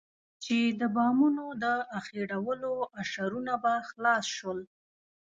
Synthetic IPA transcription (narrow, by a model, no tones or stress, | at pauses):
t͡ʃed̪əbɑmunod̪əaxeɽawəloaʃaɾunabaxlɑsʃwəl